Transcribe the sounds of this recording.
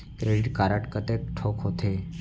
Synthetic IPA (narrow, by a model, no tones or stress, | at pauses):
kɾeɖiʈkaɾaʈkət̪ekʈʰokɦot̪ʰe